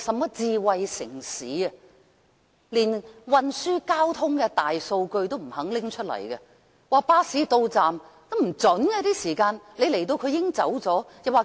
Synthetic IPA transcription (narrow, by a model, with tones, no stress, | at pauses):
sɐ˨mːɔː˦˥t͡siː˧wɐ˧jsɪ˨˩ŋsiː˨˥ɐ˧ | liː˨˩nwɐ˧nsyː˥kaː˥wt̪ʰʊ˥ŋkɛ˧t̪aː˨˩jso˧wkɵ˧ɥt̪o˥wm̩˨˩hɐ˨˥ŋlɪ˥ŋt͡ʃʰɵ˥t̚lɐ̰˨˩jkɐ˧ | waː˨˧paː˥siː˨˥t̪o˧wt͡saː˨m | kɐ˨˧˥m̩˨˩t͡sɵ˨˥nɡɐ˧t̪iː˥siː˨˩kaː˧nle˨˧jle˨˩jt̪o˧wkʰɵ˨˧ɥjɪ˥ŋt͡sɐ˨˥wt͡sɔː˨˥jɐ˨p̚waː˨˧